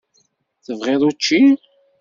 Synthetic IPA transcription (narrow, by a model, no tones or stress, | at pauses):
θəvʁeðˤut͡ʃːi